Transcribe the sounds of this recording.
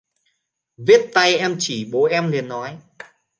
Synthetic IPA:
vi˦˥ət̚t̪a˧jʔɛ˧mt͡ɕi˧˩ɓo˨˦ʔɛ˧mli˨˩nːɔ˨˦j

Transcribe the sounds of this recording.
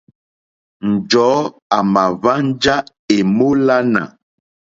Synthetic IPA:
n̩˨d͡ʒɔː˨˦ | a˨ma˨va˦n̩˦d͡ʒa˦ | e˨mo˦la˦na̰˨

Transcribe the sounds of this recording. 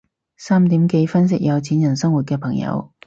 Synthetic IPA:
saː˥mt̪i˨˥mke˧jfɐ˥ns̬ɪ˥k̚jɐ˨˧wt͡sʰi˨˥njɐ˨˩nsɐ˥ŋwu˨t̚kɛː˧pʰɐ˨˩ŋjɐ̰˧w

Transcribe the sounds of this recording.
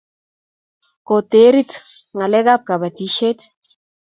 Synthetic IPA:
ko˨te˨˦ɾi˦t | ŋa˨lɛ˦ka˦p̚ka˨ba˨ti˦ʃe˦t

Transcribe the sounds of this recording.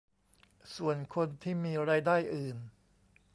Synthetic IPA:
su˨˩ənkʰo˧nt̪ʰiː˥˩miː˧ɾaː˧jdaː˥˩jʔɯː˨˩n

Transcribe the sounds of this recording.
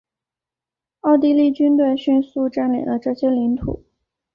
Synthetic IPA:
ɑ˥˧ʊt̪̬i˥˧li˥˩t͡ɕy˥nt̪̬we˥˧ɪɕy˥˧nsu˥˧ʈ͡ʂa˥˩nlḭ˨˩lə˦ʈ͡ʂɤ˥˩ɕjɛ˥li˧˥ŋt̪ʰṵ˨˩˦

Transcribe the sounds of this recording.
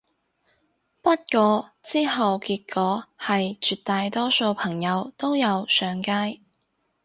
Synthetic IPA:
pɐ˥t̚kɔː˨˧t͡siː˥ɦɐ˨wkiː˧t̚kʰɔː˨˧˥hɐ˨jt͡ʃyː˨˧t̚t̪aː˨˧jt̪ɔː˥so˧wpʰɐ˨˩ŋjɐ˨˧wt̪o˥wjɐ˨˧wsœː˨˧ŋkaː˥j

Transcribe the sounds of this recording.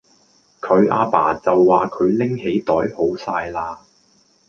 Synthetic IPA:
kʰɵ˨˧ɥʔa̰ː˧pa̰ː˨˩t͡sɐ˨wːaː˨˩kʰɵ˨˧ɥlɪ˥ŋhe˨˥jt̪ɔː˨˥jho˨˥wsaː˧jlaː˧

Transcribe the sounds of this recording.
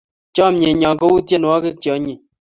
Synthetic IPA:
t͡ʃɔ˦m˦e˨ɲɔ˨ŋ˨ko˦wu˦tje˦n˨ɔ˦ke˦tjɔ˨˦ɲi˨

